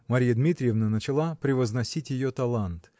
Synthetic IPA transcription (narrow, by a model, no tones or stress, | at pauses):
mɐɾʲijəd̪mʲit̪ɾʲɪjɪvnənət͡ɕɪlˠapɾʲɪvəznɐsʲitʲjɪjot̪ɐlˠant̪